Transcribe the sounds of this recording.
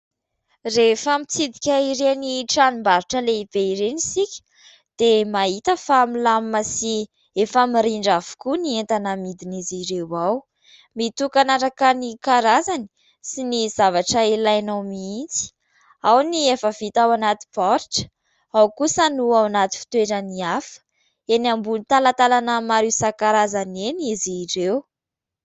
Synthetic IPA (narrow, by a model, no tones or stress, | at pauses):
refəmit͡sid̪ikʲaiɾeniʈ͡ʂanimbaɾiʈ͡ʂəleib̥eiɾenisikʲə̥ | d̪̥emaɦit̪əfamilammasi | efamiɾiɳɖ͡ʐavu̥kunient̪anəmid̪iniziɾewaw | mit̪ukanaɾakənikaɾazani̥ | siniz̥avaʈ͡ʂəelajanawmiint͡si̥ | awniefəvit̪awanat̪i̥pɔɾʈ͡ʂə̥ | awkusənuawnat̪i̥fi̥t̪weʈ͡ʂəniafə̥ | enambulnit̪alat̪alanəmaɾisakaɾazaneniziɾew